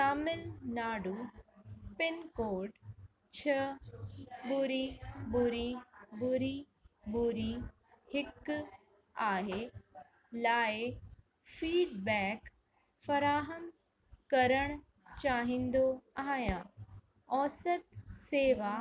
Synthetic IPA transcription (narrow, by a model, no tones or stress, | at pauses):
saːmɪlnaːɖuː | pɪnkoːɖ | t͡ɕʰɐ | bʊɾibʊɾibʊɾi | bʊɾi | hɪk | aːɦe | laːe | fiːɖbɛːk | fɐɾaːɦəm | kɐɾəɽ̃ | t͡ɕaːɦĩːnd̪oaːɦjãː | ɔːsət̪seːʋa